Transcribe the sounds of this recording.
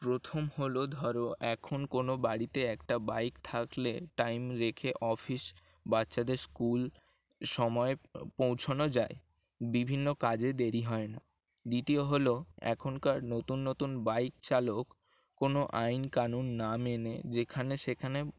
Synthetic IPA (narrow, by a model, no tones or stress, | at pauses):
pɾot̪ʰomholod̪ʱɔɾoʔɛkʰonkonobaɽit̪eɛkʈabajkt̪ʰakleʈajmɾekʰeʔɔfis | batːɕad̪eɾskul | ʃɔmɔepowt͡ɕʰonod͡ʑae | bibʱinːokad͡ʑed̪eɾiɦɔena | d̪it̪ioɦoloɛ̰kʰonkaɾnot̪unːot̪unbajk̚t͡ɕalokː | onoʔajnkanunːamenḛd͡ʑekʰaneʃekʰane